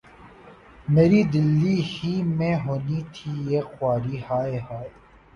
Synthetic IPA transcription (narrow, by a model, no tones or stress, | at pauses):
meːɾiːd̪ɪlːihiːmẽːɦoːniːt̪ʰiːjeːxwaːɾiːhaːehaːe